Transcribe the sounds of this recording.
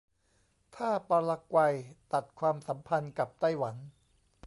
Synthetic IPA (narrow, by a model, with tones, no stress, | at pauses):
t̪ʰaː˥˩paː˧la˧kwa˧jt̪a˨˩t̪̚kʰwaː˧msa˩˦mpʰa˧nka˨˩p̚t̪a˥˩jwa˩˦n